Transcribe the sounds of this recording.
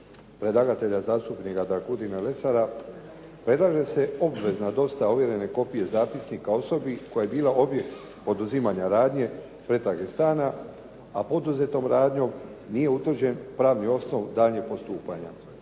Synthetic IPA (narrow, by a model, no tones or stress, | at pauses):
pɾe̞d̪ˠaɡat̪e̞ʎazaːst̪upnikad̪akud̪inale̞saɾa | pɾe̞d̪laʒe̞se̞o̞bʋe̞znad̪o̞st̪auʋje̞ɾe̞ne̞ko̞pije̞zaːpisnikao̞so̞bikojaje̞biːlˠaʔo̞bje̞kt̪ | po̞d̪uzimaɲaɾaːd̪ɲe̞ | pɾe̞t̪aɡest̪aːna | apo̞d̪uze̞t̪o̞mɾaːd̪ɲo̞m | nije̞ut̪vr̩d͡ʑe̞npɾaːʋnio̞sno̞ʋd̪aːʎɲeɡ̚po̞st̪uːpaɲa̰